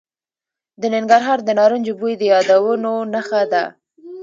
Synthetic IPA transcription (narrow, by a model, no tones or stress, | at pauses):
d̪ənɪŋɡaɾɦɑɾd̪ənɑɾund͡ʒʊbujid̪əjɑd̪awənonaxad̪a